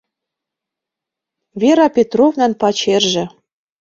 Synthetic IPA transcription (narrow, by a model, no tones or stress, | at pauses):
vʲeɾɑpʲet̪rovnænpɑt͡ɕerʒĕ